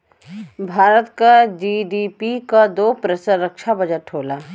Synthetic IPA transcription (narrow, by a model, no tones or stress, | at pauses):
bʱaːɾət̪kad͡ʒiːɖiːpikad̪oːpɾəsəɾəkʃabɐd͡ʒəʈʰːoːlaː